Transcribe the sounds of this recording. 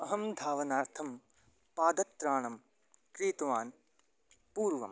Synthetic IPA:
ɐɦɐmd̪ʱaːʋɐnaːɾt̪ʰɐm | paːd̪ɐt̪ːɾaːɳɐm | kɾiːt̪ɐʋaːn | puːɾʋɐ̰m

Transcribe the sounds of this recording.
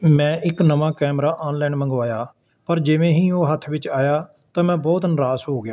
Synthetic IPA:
mɛ̃ːʔɪknəʋãːkɛːmɾaːʔaːnlaːnmə̃ŋɡʋaːjaː | pəɾd͡ʒɪʋẽːɦĩːoːɦət̪ʰːʋɪt͡ʃaːjaː | t̪ãːmɛ̃ːbɔːt̪nɾaːsɦoːɡɪjaː

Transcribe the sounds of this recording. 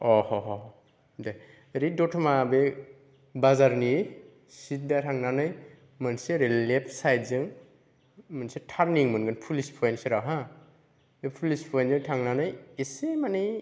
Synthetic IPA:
ɔhɔɦɔ | de | ɾidɔtʰɔmabe | bazaɾni | sit̚datʰaŋnanɯj | mɯnseɾilep̚ʰsajtzɯŋ | mɯnsetʰaɾniŋmɯnɡɯnpʰulispʰɔjnseɾaɦa | epʰulispʰɔjnzɯŋtʰaŋnanɯjesemanij

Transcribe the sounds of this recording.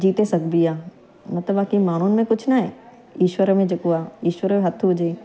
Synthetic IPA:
d͡ʒiːt̪esɐɡbijaː | mɐt̪ləbaːkimaːn̤unɪ̆mẽkʊt͡ʃʰnaɦe | iːʃwəɾmẽd͡ʒɐkuaːiːʃwəɾmẽɦɐt̪ʰɦʊd͡ʒeː

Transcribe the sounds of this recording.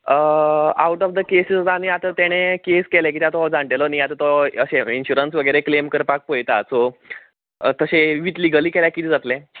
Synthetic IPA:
əa̰wʈɔfd̪əkesisd̪aniat̪ət̪eɽ̃ekeskelek̬iːt̪jat̪ɔɦd͡zãɳʈelɔniat̪ət̪ɔəɕeinɕuɾənsʋəɡəɾeklemkəɾpak̚pojt̪asɔ | t̪əɕeʋit̪liɡəliːkeljakit̪ʰiːd͡zat̪le

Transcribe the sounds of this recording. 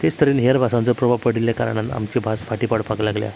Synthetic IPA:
t̪est̪ʰəɾiːnɦeəɾbʱasãnt͡səpɾɔbʱapəɽiljaka̰ɾɳ̃ãt̪a̰mt͡ɕibʱasfʰaʈipaɽpaɡlaɡlja̰

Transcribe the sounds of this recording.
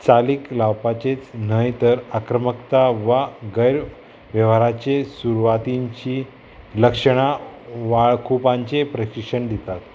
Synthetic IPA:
t͡saliklawpat͡ɕet͡snəjt̪əɾakɾəməkt̪aʋaɡəjɾ | ʋjəʋaɾat͡ɕesuɾuʋat̪iɲt͡ɕi | ləkʂəɽ̃aʋaɭkʰupãɲt͡ɕepɾəɕikʂəɳd̪it̪at̪

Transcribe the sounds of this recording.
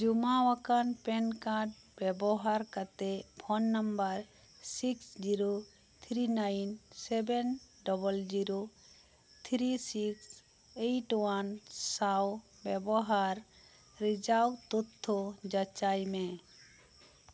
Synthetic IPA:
d͡ʒumawakanpɛnkaʈ̚ | bɛbɔɦaɾkat̪ɛpʰɔnːəmbəɾ | siksd͡ʒiɾo | t̪ʰɾinajnsɛbɛnɖɔbəld͡ʒiɾo | t̪ʰɾisiks | eʈwansaw | bɛbɔɦaɾː | id͡ʒawt̪ut̪ʰːɔd͡ʒət͡ʃajme

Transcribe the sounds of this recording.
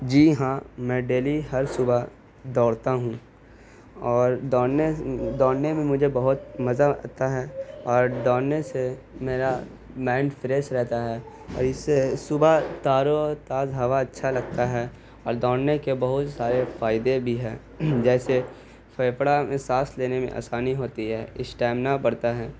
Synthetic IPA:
d͡ʒiːɦãːmɛ̃ːɖeːliɦɐɾsʊba | d̪ɔːɽt̪aɦũ | ɔːɾd̪ɔːɽned̪ɔːɽnemẽmʊd͡ʒʱebɐɦʊt̪mɐzaa̰t̪ːaɦɛːɔːɾd̪ɔːɽnese | meːɾa | mɛ̃ːɳɖfɾeːsɾɛɦt̪aɦɛː | ɔ̰ːɾɪsesʊbat̪aːɾot̪aːzɦɐʋaɐtːʃʰalɐɡt̪aɦɛ | ɔːɾd̪ɔːɽnekebɐɦʊt̪saːɾefaːɪd̪ebʱiɦɛː | d͡ʒɛːse | fɐːpɽamẽsaːsleːnemḛ̃ʔa̰ːsaːniɦoːt̪iɦɛːɪsʈɛːmnapɐɽt̪aɦɛː

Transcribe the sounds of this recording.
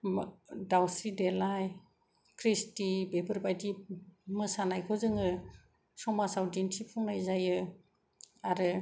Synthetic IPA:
dawsɾidelaj | kʰɾistibebʰɯɾbajdimɯsanajkʰɔzɯŋɯ | sɔmasawdinsipʰɔŋnajzajɯ | aɾɯ

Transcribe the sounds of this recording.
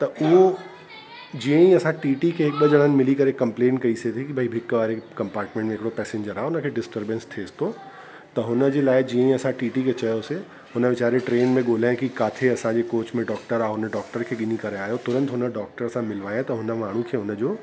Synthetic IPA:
t̪ɐʔʊɦo | d͡ʑiːə̃ĩɐsãʈiːʈikʰeːɦɪk̚ɓəʄəɽ̃ənɪ̆mɪlikɐɾekɐ̃mplẽːnkɐiset̪ʰekibʱaibʱɪkʋaːɾekɐ̃mpaːɾʈmẽɳʈmẽɦɪkɪɽopɛːsẽɲd͡ʑəɾaːɦʊnəkʰeːɖɪsʈəɾbə̃nst̪ʰest̪ʰo | t̪ɐɦʊnə̆d͡ʑeːlaːɪd͡ʑiːə̃ĩɐsãʈiːʈikʰet͡ɕɐjose | ɦʊnəʋɪt͡ɕaːɾeʈɾeːnmẽɠoːl̤aːɪ̃kikaːt̪ʰeɐsãɲd͡ʑeːkoːt͡ɕmẽɖɔːk̚ʈəɾaːɦʊnəɖɔːk̚ʈəɾkʰeːɠɪn̤ikɐɾeaːɦjot̪ʊɾə̃nt̪ɦʊnəɖɔːk̚ʈəɾsãmɪlʋaːjãt̪ɐɦʊnəmaːɳ̤ũkʰeːɦʊnəd͡ʑoː

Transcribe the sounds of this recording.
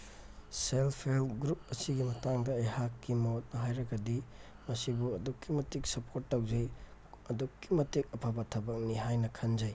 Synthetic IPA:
selpʰelɡɾup̚ɐsiɡimɐtaŋdɐːjhakːimɐwɔt̚mɐɦajɾɐɡɐdi | mɐsibuɐdukːimɐtik̚sɐpʰoɾtːɐwzɐjɐdukːimɐtik̚ɐpʰabɐtʰɐbɐk̚niɦajnɐkʰɐnd͡ʒɐj

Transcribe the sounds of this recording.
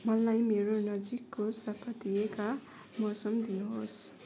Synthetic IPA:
mʌlajmeɾonʌd͡zikːosʌpʰʌt̪ijeka | mʌsʌmd̪inuɦos

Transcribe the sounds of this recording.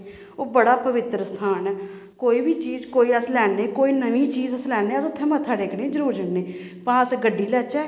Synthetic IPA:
oːbəɽaːpəʋɪt̪ɾəst̪ʰaːnɛː | koːiːbʱiːt͡ʃiːzkoːiːəslɛːneːkoːiːnəʋĩːt͡ʃiːzəslɛːeːəsʊt̪ʰːẽːmət̪ʰːaːɖeːkʰneːd͡ʒəɾuːɾd͡ʒəɳneː | pãːəsɡəɖːiːlɛːt͡ʃɛː

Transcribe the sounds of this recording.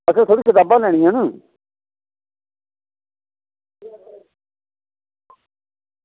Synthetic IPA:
əkəɾt̪ʰoːɽiːkɪt̪aːbãːlɛːɽ̃iːãːnə

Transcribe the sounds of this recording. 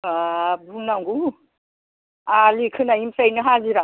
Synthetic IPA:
abunaŋɡu | alikʰɯnaimsajnɯɦaziɾa

